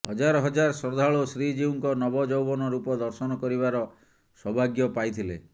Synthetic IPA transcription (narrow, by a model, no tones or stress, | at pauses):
hɔd͡ʒaɾɔɦɔd͡ʒaɾɔsɔd̪ʱaɭosɾid͡ʒiuŋkɔnɔbɔd͡ʒɔwbɔnɔɾupɔd̪ɔɾsɔnɔkɔɾiβaɾɔ | sɔbʱaɡjɔpajt̪ʰilḛ